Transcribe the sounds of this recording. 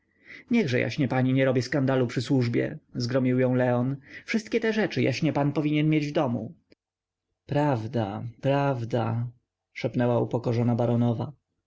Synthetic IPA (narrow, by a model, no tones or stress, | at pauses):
ɲɛɣʐɛja̰ɕɲɛpaɲiɲɛɾɔbjɛskand̪alupʂɘswuʐbʲjɛ̰zɡɾɔmʲiwjɔ̃w̃lɛɔnfʂɘst̪̚kʲɛt̪ɛʐɛt͡ʂɘja̰ɕɲɛpanpɔvʲiɲɛnmʲjed͡ʑvd̪ɔmṵ | pɾavd̪a̰pɾavd̪a | ʂɛpnɛwaṵpɔkɔʐɔnabaɾɔnɔva